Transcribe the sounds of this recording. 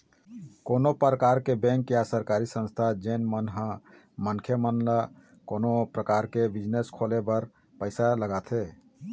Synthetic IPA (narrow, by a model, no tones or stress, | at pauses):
koːnopɾəkaːɾkebɛ̃ŋkjasəɾkaɾisə̃nst̪ʰad͡ʒenmənɦã | mənkʰjəmənla | koːnopɾəkaːɾkebɪd͡ʒneskʰoːlebəɾ | pəɪsaləɡat̪ʰe